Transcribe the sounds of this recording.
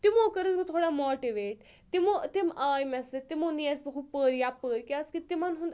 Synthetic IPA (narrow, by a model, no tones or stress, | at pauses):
t̪imoːkəɾəzbit̪ʰoːɽamoːʈiʋeːʈ | t̪imot̪imaːjmɛset̪imoniɐzbɐkʰupəɾjapəɾkʲaskit̪imanɦũnd̪